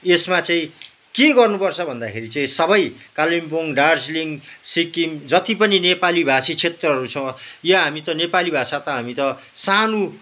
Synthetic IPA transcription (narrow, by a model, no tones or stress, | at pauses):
esmat͡saĩ | keɡʌrnupʌrt͡sʰʌbʱʌnd̪akʰeɾit͡saĩsʌbʌjkalimpoŋɖarsliŋɡsikimd͡zʌt̪ipʌninepalibʱasit͡sʰet̪rʌɦʌɾut͡sʰʌ̃jʌɦamit̪ʌnepalibʱasat̪ʌɦamit̪ʌ | sanu